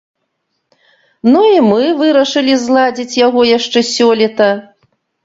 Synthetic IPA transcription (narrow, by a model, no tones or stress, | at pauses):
nuimɨvɨɾɐʂɨlʲizlˠad͡zʲit͡sʲjaɣɔjaʂt͡ʂɛsʲɔlʲit̪ɐ